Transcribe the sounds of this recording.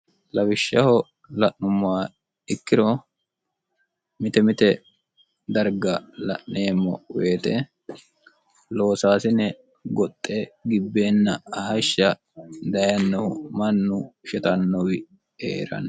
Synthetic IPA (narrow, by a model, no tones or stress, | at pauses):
lɐbɪʃːɐhɔ | lɐʔnʊmːaː | ɪkːɪɾɔ | mɪt̪ɛmɪt̪ɛ | d̪ɐɾɡɐlɐ̰ʔne̞ːmːɔ̰weːt̪ɛ | lo̞ːsaːsɪnɛ | ɡɔt̪ʼːeɡɪbːe̞ːnːɐɐɦɐʃːɐ | d̪ɐjɐnːɔwʊmɐnːʊʃɛt̪ɐnːɔwɪ | ḛːɾɐ̰n